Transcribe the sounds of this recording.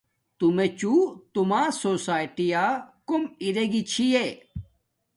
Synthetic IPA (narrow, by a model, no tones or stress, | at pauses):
t̪umet͡ɕut̪umaːsoːsaːjʈijakumiɾeɡit͡ɕʰije